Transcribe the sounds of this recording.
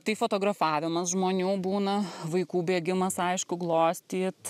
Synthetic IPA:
t̪ɐɪfoːt̪oːɡɾɐfɑːʋʲɪmɐsʒmoːnʲuːbuːnɐʋɐɪkuːbʲeːɡʲɪmɐsɐɪʃkʊɡlˠoːsʲt̪ʲiːt̪

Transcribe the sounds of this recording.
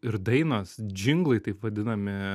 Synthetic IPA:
ɪɾd̪ɐɪnɐsd͡ʒʲɪŋɡlˠɐɪt̪ɐɪpʋɐd̪ʲɪnɐmʲɪ

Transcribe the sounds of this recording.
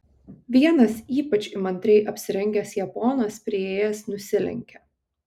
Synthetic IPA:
ʋʲiɛnɐsiːpɐt͡ʃʲɪmɐnʲt̪ʲɾʲɛɪʔɐpʲsʲɪɾʲɛŋʲɡʲɛsjɛpɔːnɐspʲɾʲɪeːjɛsnʊsʲɪlʲɛ̰ŋʲkʲɛ

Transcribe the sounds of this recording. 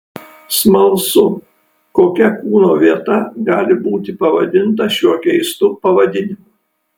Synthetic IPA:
smɐlˠsʊ | koːkʲɛkuːnoːʋʲiɛt̪ɐɡɑːlʲɪbuːt̪ʲɪpɐʋɐ̰d̪ʲɪnt̪ɐʃʲuɔkʲɛɪst̪ʊpɐʋɐd̪ʲɪnʲɪmʊ

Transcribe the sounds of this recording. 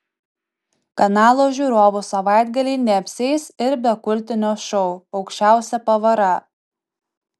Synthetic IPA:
kɐnɑːlˠoːʒʲuːɾoːʋʊsɐʋɑˑɪd̪ʲɡɐlʲɛɪnʲɛpʲsʲɛɪsɪɾbʲɛkʊlʲt̪ʲɪnʲoːʃɔʊɒʊkʃʲt͡ʃʲæˑʊsʲɛpɐʋɐɾɐ

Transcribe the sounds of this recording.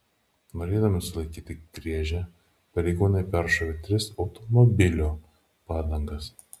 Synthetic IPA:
noːɾʲeːd̪ɐmʲɪsʊlˠɐɪkʲiːt̪ʲɪɡ̥ɾʲiɛʒʲɛ | pɐɾʲɛɪɡuːnɐɪpʲæɾʃoːʋʲet̪ʲɾʲɪsɒʊt̪ɔmɔbʲɪlʲoː | pɑːd̪ɐŋɡɐs

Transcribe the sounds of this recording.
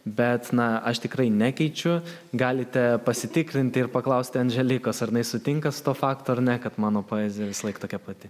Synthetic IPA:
bʲɛt̪nɐɐʃt̪ʲɪkɾɐɪnʲæːkʲɛɪt͡ʃʲʊ | ɡɑːlʲɪt̪ʲɛpɐsʲɪt̪ʲɪkɾʲɪnʲt̪ʲɪɪrpɐklˠɐʊsʲt̪ʲɪɐnʲʒʲɛlʲɪkoːsɐɾʲjɪnɐɪsʊt̪ʲɪŋkɐsʊ̥t̪oːfɑːkt̪oːɐɾnʲɛkɐt̪mɑːnoːpoːɛzʲɪjɛʋʲɪsɐlˠɐɪkt̪oːkʲɛpɐt̪ʲɪ

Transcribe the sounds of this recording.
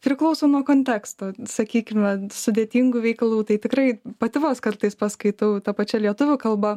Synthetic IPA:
pʲɾʲɪklˠɐʊsoʊnuɔkoːnʲt̪ʲæːkst̪oːsɐkʲiːkʲɪmʲɛsʊd̪ʲeːt̪ʲiːŋɡuʋʲɛɪkɐlˠuːt̪ɐɪt̪ʲɪkrɐɪpɐt̪ʲɪʋoːskɐrt̪ɐɪspɐskɐɪt̪ɐʊt̪ɐpɐt͡ʃʲɛlʲiɛt̪ʊʋʲʊkɐlˠbɐ

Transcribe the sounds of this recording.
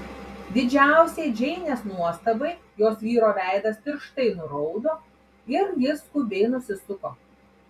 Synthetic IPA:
d̪ʲɪd͡ʒʲæˑʊsʲeːd͡ʒʲɛɪnʲeːsnuɔst̪ɐbɐɪjoːsʋʲiːɾoːʋʲæˑɪd̪ɐspʲɪɾʃt̪ɐɪnʊɾɔʊd̪oː | ɪɾʋʲɪskubʲeːɪnʊsʲɪsʊkoː

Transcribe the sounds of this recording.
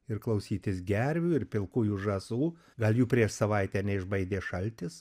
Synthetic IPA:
ɪɾklˠɐʊsʲiːt̪ʲɪsɡʲæɾʲʋʲuːɪɾpʲɪlˠkuːjuːʒɐzuː | ɡɐlʲˠjuːpʲɾʲiɛʃsɐʋɐɪt̪ʲɛnʲɛɪʒbɐɪd̪ʲeːʃɐlʲt̪ʲɪs

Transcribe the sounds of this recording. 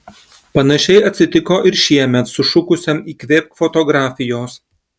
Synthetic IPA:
pɐnɐʃʲɛɪɐt̪ʲsʲɪt̪ʲɪkoːʔɪɾʃʲiɛmʲɛt̪sʊʃʊkʊsʲɛmiːkʋʲeːp̚kfɔt̪ɔɡɾɑːfʲɪjoːs

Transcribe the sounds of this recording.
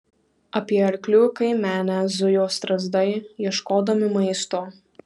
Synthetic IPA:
ɐpʲiɛɐɾʲklʲʊkɐɪmʲæːnʲæzʊjoːst̪ɾɐzd̪ɐɪjiɛʃkoːd̪ɐmʲɪmɐɪst̪oː

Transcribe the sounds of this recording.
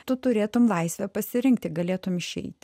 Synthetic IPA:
t̪ʊt̪ʊɾʲeːt̪ʊmlˠɐɪsʲʋʲɛpɐsʲɪɾʲɪŋkt̪ʲɪɡɐlʲeːt̪ʊmɪʃʲɛ̰ɪt̪ʲ

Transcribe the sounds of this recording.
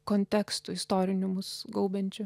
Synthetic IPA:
koːnʲt̪ʲɛːkst̪ʊɪst̪oːɾʲɪnʲʊmʊsɡɐʊbʲɛnʲt͡ʃʲʊ

